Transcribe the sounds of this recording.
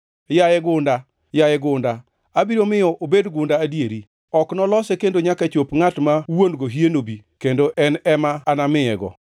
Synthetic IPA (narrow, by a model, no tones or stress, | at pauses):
jajɛɡʊnda | jajɛɡʊnda | abiɾomɪjɔʔobedɡʊndaːdjeɾi | ɔknɔlɔsɛkendoɲakat͡ʃopŋatmawonɡoɦienobikendoʔɛnɛmaːnamɪɛɡɔ̰